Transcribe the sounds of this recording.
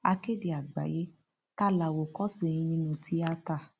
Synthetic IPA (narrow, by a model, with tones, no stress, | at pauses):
a˧ke˦de˨a˨ɡ͡ba̰˨je˦ | ta˦la˨wo˨kɔ˦se˦˧˨j̃ĩ˧nĩ˦nũ˧ti˦a˧ta˧˨